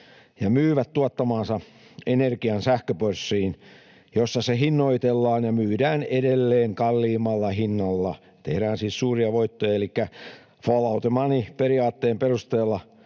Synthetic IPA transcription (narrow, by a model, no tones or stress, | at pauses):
jɑmyːʋæt̪t̪uɑt̪ːɑmɑːnsɑ | enerkiɑnsæhkøpørsːiːn | josːɑsehinːoit̪elːɑːnjɑmyːdæːnedelːeːŋkɑlːiːmɑlːɑhinːɑlːɑ | t̪ehɾæːnsiːssuːriɑʋoit̪ːojɑelikːæ | folɑut̪emɑːnipeɾiɑːt̪ːeːmperust̪eːlːɑ